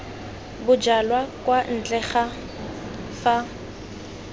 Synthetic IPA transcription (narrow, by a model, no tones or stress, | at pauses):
bʊd͡ʒalwakwan̩t͡ɬʼɛχa | fa